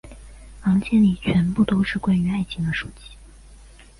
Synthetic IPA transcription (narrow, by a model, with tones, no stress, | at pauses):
xɑ˧˥ŋt͡ɕʰjɛ˥˩nli˨˩t͡ɕʰɥɛ˧˥npu˥˩t̪o˥ʊʂɻ̩˥˧kwa˥˩y˧˥a˥˩ɪt͡ɕʰi˧˥ŋd̪ə˧ʂu˨˩t͡ɕi̥˥